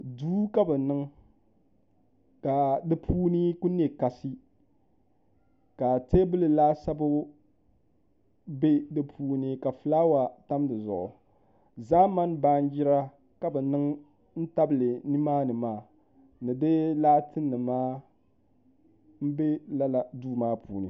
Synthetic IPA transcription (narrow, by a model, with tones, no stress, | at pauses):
duː˦ka˦bɛ˨nɨ˦ŋ | ka˨dɨ˦pʰuː˦nɨ˦ku˦n˦e˦ka˨sɨ˦ | ka˨te˦bɨ˦lɨ˨laː˦sa˦bʊ˦ | be˦dɨ˦pʰuː˦nɨ˦ka˨fɨ˨laː˦wa˨ta˦mdɨ˨zʊ̰˨ʔʊ̰˨ | zaː˦ma˦nba˦n˦d͡ʒɪ˦ɾa˦ | ka˨bɛ˨nɨ˦ŋ | n̩˦ta˦blɨ˨ni˦maː˦nɨ˨maː˦˨ | nɨ˨dɨ˦laː˦tɨ˦nːɨ˨maː˦ | m̩˦be˦la˦la˨duː˦maː˦pʰuː˨˦nɨ˨